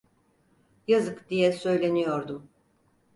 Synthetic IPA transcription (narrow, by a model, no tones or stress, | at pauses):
jazɯkd̪ijɛsø̞jlʲe̞nijo̞ɾd̪um